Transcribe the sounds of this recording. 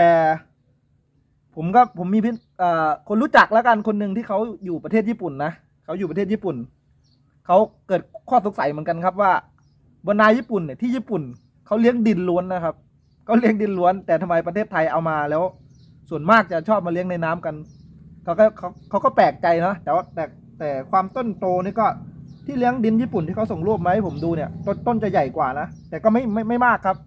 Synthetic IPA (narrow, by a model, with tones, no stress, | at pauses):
t̪ɛː˨˩ | pʰo˩˦mkɔː˧˥˩pʰo˩˦mːiː˧pʰi˧˥ | ʔaː˨˩kʰo˧nɾuː˦˥t͡ɕa˨˩k̚lɛː˦˥wka˧nkʰo˧nːɯ˧ŋt̪ʰiː˥˩kʰa˦˥wjuː˨˩pa˧eː˥˩ɲiː˥˩pu˨˩nːa˦˥ʔ | kʰa˦˥wjuː˨˩pa˧eː˥˩iː˥˩pu˨˩n | kʰa˦˥wkɤː˨˩t̪̚kʰɔː˥˩so˨˦k̚sa˨˦jmɯ˨˩˦ə˦nka˧nkʰa˦˧˥p̚waː˥˩ | bɔː˧naː˧˥jiː˥˩pu˨˩nːi˧˩t̪ʰiː˥˩jiː˥˩pu˨˩n | kʰa˦˥wli˦˥əŋdi˧˩nlu˧˦˥ənːa˧˥kʰa˦˥p̚ | kʰa˥˩li˦˥əŋdi˧nlu˦˥ənt̪ɛː˨˩t̪ʰa˧mːa˧jpɾa˧t̪ʰeː˥˩t̪ʰːa˧jʔa˧wmaː˧lɛː˦˥w | su˨˩ənmaː˥˩k̚t͡ɕa˨˩t͡ɕʰɔː˥˩p̚maː˧li˦˥əŋna˧jnaː˦˥mka˧nkʰa˦˥wkɔː˥˩kʰa˦˥wkʰa˦˥wkɔː˥˩plɛː˨˩k̚t͡ɕa˧jnɔ˦˥ʔt̪ɛː˨˩wa˥˩t̪ɛː˨˩ | t̪ɛː˨˩kʰwaː˧mt̪o˥˩nt̪oː˧niː˥˩kɔː˥˩t̪ʰiː˥˩li˦˥ə˨ŋdi˧njiː˥˩pu˨˩nt̪ʰiː˥˩ka˦˥wso˨˩ŋlu˥˩əp̚ma˦˥ha˥˩pʰo˩˦mduː˧ni˧˥˩ɐt̪o˧t̪o˥˩nt͡ɕa˨˩ja˨˩jkwaː˨˩na˦˥ʔt̪ɛː˨˩kɔː˥˩ma˥˩jma˥˩jma˥˩jmaː˥˩kʰːa˦˥p̚